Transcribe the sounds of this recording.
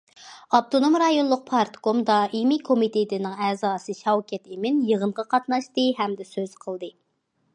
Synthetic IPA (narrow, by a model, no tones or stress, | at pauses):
ɑp̚t̪ʰonomɾɑjonlˠʊq̚pʰɑɾt̪komd̪ɑimikʰomit̪ʰet̪ɪnɪŋɛzɑːsɨʃɛwkʲɛt̪emɪnjəʁəɴʁɑqʰɑt̪nɑʃt̪ɨɦɛmd̪ɛsøz̥qʰəlˠd̪ɨ